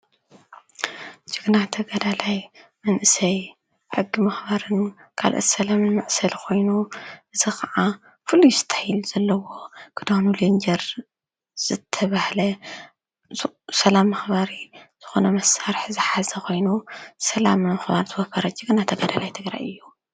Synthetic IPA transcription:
d͡ʒɨɡnat̪ʰɐɡɐd̪alajmɐnʔɨsɐj | ħɨɡːimɐxbaɾɨnkʰa̰lʔo̰t̪sɐlamɨnmɐʕsɐlkʰo̞jnuʔɨzikʰɐʕa | fɨlːujsɨ̥t̪ʰḁhilz̥ɐlːɐwo̞kʰɨd̪ohnulind͡ʒɐɾ | z̥ɨt̪ʰːɐβahlɐ | sɐlamːɐxbaɾiz̥ɨxo̞nɐmɐsaɾħzɨħazɐkʰo̞jnusɐlammɐxbaɾzɨwɐfɐɾɐd͡ʒɨɡnat̪ʰɐɡɐd̪alajt̪ʰɨɡɾa̰jɨjːu

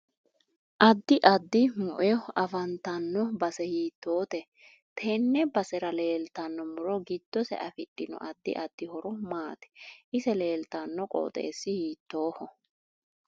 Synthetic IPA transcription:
ʔɐd̪ːɪʔɐd̪ːɪmʊʔɛɐfɐnt̪ɐnːɔbɐsɛhiːt̪ːoːt̪ɛ | t̪ʰɛnːɛbɐsɛɾɐle̞ːlt̪ɐnːɔmʊɾɔɡɪd̪̥ːɔsɛ̰ʔɐfɪɗːɪnɔ̰ʔɐd̪ːɪ̰ʔɐd̪ːɪhɔɾɔmaːt̪ɛ̥ʔɪsɛle̞ːlt̪ɐnːɔkʼɔ̰ːt̪ʼḛːsːɪhiːt̪ːo̞ːhɔ

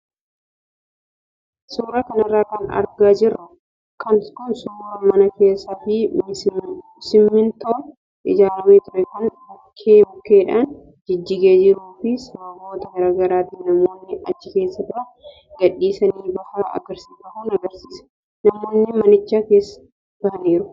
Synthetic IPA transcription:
suːɾɐkɐnɐrːaːkɐnɐ̰ɾɡaːd͡ʒɪɾɐ | kɐnkʊnsuːɾɐmɐnɐke̞ːsːɐfɪm | sɪmːɪnt̪oː | ʔɪ̰d͡ʒaːlɐmeːt̪ʊɾɛkɐn | ɐkʰːeːbʊkːeːᶑaːn | d͡ʒɪd͡ʒːɪɡeːd͡ʒɪɾuːfɪsɐbɐbo̞ːt̪ɐhɐɾɐɡɐɾaːt̪ɪnɐmo̞ːnːɪɐt͡ʃːɪke̞ːsːɐt̪ʊɾɐ | ɡɐᶑːiːsɐniːbɐhaːɐ̰ɡɐɾsɪ̥kɐhuːnɐɡɐɾsi̥ːsɐ̥ | nɐmo̞ːnːɪmɐnɪt͡ʃːaːkeːsɐ̥ | b̥ɐhɐniːɾʊ

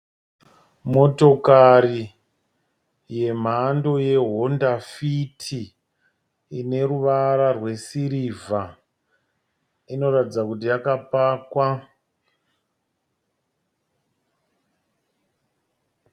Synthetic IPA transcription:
mo̞to̞kari | je̞m̤ando̞je̞ɦo̞ndafitʰi | ine̞ɾuʋaɾarwe̞siɾiva | ino̞ɾatid͡zakutijakapaːkwa

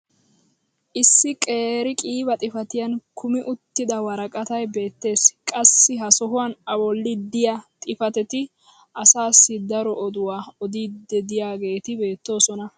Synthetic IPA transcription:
ʔɪsːɪkʼe̞ːɾɪkʼiːbɐt̪ʼɪfɐt̪ɪjɐnkʰʊmɪʔʊt̪ːɪd̪ɐwɐɾɐkʼɐt̪ɐjbe̞ːt̪ːe̞ːskʼɐsːɪɦɐsɔɦʊwanɐbɔlːɪd̪ɪjɐt̪ʼɪfɐt̪ɛt̪ɪ | ʔɐsaːsːɪd̪ɐɾɔɔd̪ʊwaːɔd̪iːd̪ːɛd̪ɪjaːɡe̞ːt̪ɪbe̞ːt̪ːo̞ːsɔnɐ

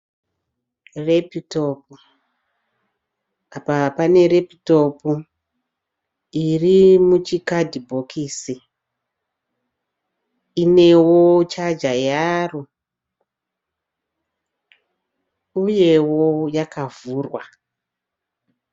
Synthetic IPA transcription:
repitopu | apapane̞repito̞pu | irimut͡ʃikadʱibʱo̞kʰiːsi | ine̞wo̞t͡ʃad͡ʒajaːro | uje̞wojakavuːrwa

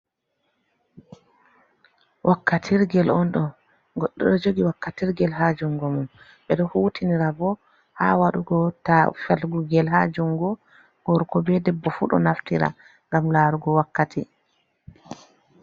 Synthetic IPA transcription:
wʔakːatʰiɾɡɛlʔɔnɗɔ | ɡɔɗːɔɗɔd͡ʒoɡiwakːatiɾɡɛlɦad͡ʒuŋɡɔmum | ɓɛɗɔhuːtʰiniɾabɔ | ha̰waɗuɡɔtafɛlɡuɡɛlɦad͡ʒuŋɡɔ | ɡ̥ɔɾkɔbɛdɛbːɔfṵɗɔ̰naftiɾa̰ | ŋɡamlaɾuɡɔwakːatʰi

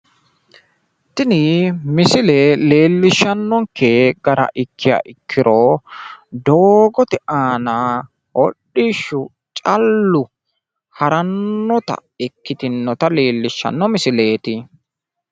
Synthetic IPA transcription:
t̪ɪnɪmɪsɪleːle̞ːlːɪʃːɐnːɔŋkʰeɡɐɾɐ̰ʔɪkʰːɪja̰ːʔɪkʰːɪɾoː | d̪oːɡɔt̪ɛʔaːnaː | ɔɗːiːʃːʊ | t͡ʃʼɐlːʊ | hɐɾɐnːɔt̪ɐ̰ɪkːɪt̪ɪnːɔt̪ɐleːlːɪʃːɐ̰nːɔmɪsɪle̞ːt̪ɪ

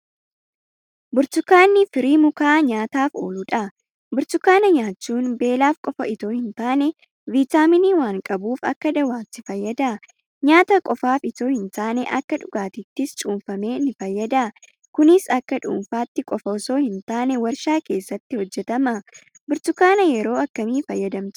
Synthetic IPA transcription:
bʊɾt̪ʊkːaːnːɪfɪɾiːmʊkaːɲaːt̪aːfo̞ːlʊᶑɐ | bʊɾt̪ʊkːaːnɐɲaːt͡ʃːuːnbe̞ːlaːfkʼɔfɐɪt̪o̞ːhɪnt̪aːnɛ | viːt̪aːmɪniːwaːŋkʼɐbuːfɐ̰kːɐd̪ɐwaːt̪ːɪfɐjːɐd̪a | ɲaːt̪ɐkʼɔfaːfɪt̪o̞ːhɪnt̪aːnɛʔɐkːɐᶑʊɡaːt̪ɪt̪ːɪst͡ʃʼuːnfɐme̞ːnɪfɐjːɐd̪a | kʊnɪsɐkːɐᶑṵːnfaːt̪ːɪkʼɔfɐɔso̞ːhɪnt̪aːnɛwɐɾʃaːke̞ːsːɐt̪ːɪhɔd͡ʒːɛt̪ɐmɐ | bɪɾt̪ʊkːaːnɐjɛɾo̞ːɐkːɐmiːfɐjːɐd̪ɐmt̪

